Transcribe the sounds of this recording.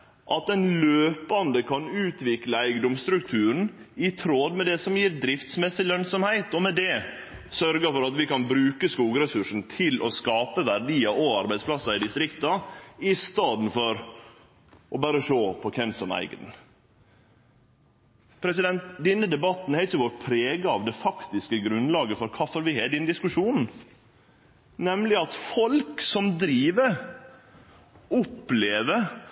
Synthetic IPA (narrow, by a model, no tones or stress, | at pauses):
ʔɑt̪ɛnløːpɑnd̪əkʰɑnʉːt̪ʋɪkləæɪɡəd̪ɔmst̪ɾʉk̚t̪ʰʉːɾn̩ | ɪt̪ʰɾoːd̪mɛd̪ɛsɔmjiːɾd̪ɾɪft̪smɛsɪlœnsɔmhæɪt̪ɔmɛd̪ɛ | sœɾɡəfɔɾɑt̪ʋɪkɑnbɾʉːkəskuːɡəɾɛsʉʂn̩t̪ʰɪlʔɔskɑːpəʋæɾɖ̪iːɑʔoɑɾbæɪd̪splɑsɑɪd̪ɪst̪ɾɪkt̪ɑɪst̪ɑːd̪n̩fɔɾ | ʔɔbæːɾəʂoːpʰɔkʰɛmsɔmæ̰ɪɡəd̪n̩ | pʰɾɛsɪd̪ɛnt̪d̪ɛnːəd̪ɛbɑt̪n̩ɛɾɪçːəʋɔʈpʰɾeːɡɑɑʋd̪ɛfɑkt̪ɪskəɡɾʉnlɑːɡəfɔɾkʰɑfɔɾʋɪhɛɖɛnd̪ɪskʉʂuːn | nɛmlɪɑt̪fɔlksɔmd̪ɾiːʋə | ɔpleːʋəɾ